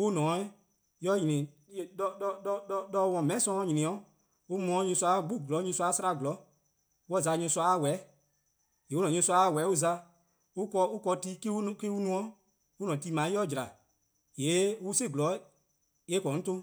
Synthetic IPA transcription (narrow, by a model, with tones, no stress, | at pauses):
wu˦nɔ̃˨˦i˦ | jɔ˧˦ɲĩ˨nĩ˨ | dɔ˧dɔ˧dɔ˧wɔ̃˨mɛ̃˨˦sɔ̃˧˦ɔ˧˦ɲĩ˨nĩ˨ɔ̃˨˦ | u˦mɔ̃˨˦ɲũ˧swa˧˦ɡ͡bu˦˨ɡlɔ˨˦ɲũ˧su˧a˧˦sa˦ɾa˧˨ɡlɔ˨˦ | wɔ˦˨za˧˦ɲũ˧˦su˧a˧˦a˦˨wɛ˨˦ | je˨u˦nɔ̃˨ɲũ˧˦su˧a˧˦˨wɛ˨˦u˦za˧ | u˦kɔ˧u˦kɔ˧ti˦ki˦u˦ki˦u˦nũ˧˦ɔ̃˦ | u˦nɔ̃˨ti˧mã˨˦ɔ˦˨d͡ʒɾa˨ | je˨˦u˦se˦˨ɡlɔ˨˦ | e˦kɔ̃˨˦n̩˦tõ˦